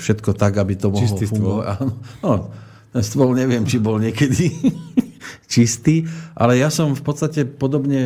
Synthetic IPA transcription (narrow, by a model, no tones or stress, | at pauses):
fʃɛt̪kɔt̪aɡabit̪ɔmɔɔfuɡɔa̰aːnɔnɔ | t̪ɛnst̪ʋɔlɲɛʋɪɛmt͡ʃibɔlɲɪɛkɛd̪i | t͡ʃist̪iːʔa̰lɛjasɔmfpɔt̪st̪acɛpɔd̪ɔbɲɛ